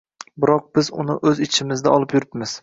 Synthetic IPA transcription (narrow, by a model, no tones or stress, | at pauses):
bɪɾɒq̚bɪzʊ̰nɪʔɵzɪt͡ʃʰɪmɪzd̪aɒlˠɪpjʊɾɪpmɪz̥